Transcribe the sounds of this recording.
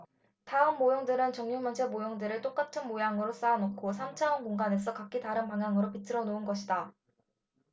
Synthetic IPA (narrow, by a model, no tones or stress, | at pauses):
taɯmːojoŋdɯɾɯnt͡ɕʌŋɲuŋmʌnsʰemojoŋdɯɾɯɭt͈ok͈atʰɯnmojaŋɯɾos͈aanokʰosʰamt͡ɕʰaʌnkoŋɡane̞sʰʌkak͈itaɾɯnpaŋjaŋɯɾopitʰɯɾʌnoɯnɡʌɕʰida